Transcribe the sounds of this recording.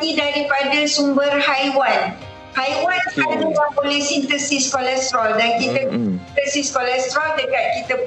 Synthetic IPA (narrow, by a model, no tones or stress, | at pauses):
ĩdaɾipadasumbərhajwan | hajwananuwapolisint̪əsiskɔlɛst̪ɾɔldankit̪ət̪əsiskolɛst̪ɾɔldəkat̪̚kit̪ə